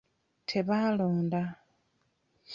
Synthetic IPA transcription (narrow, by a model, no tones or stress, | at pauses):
tʰe̞βaloːnda